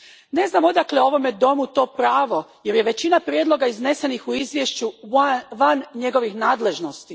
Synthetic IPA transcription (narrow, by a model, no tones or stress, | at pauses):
ne̞znamo̞d̪akleo̞ʋo̞med̪o̞mut̪o̞ːpɾaːʋo̞je̞ɾje̞ʋe̞t͡ɕinapɾʲjed̪lˠo̞ɡaizne̞se̞nixuizʋjeʃt͡ɕuʋanɲe̞ɡo̞ʋixnaːd̪le̞ʒno̞st̪i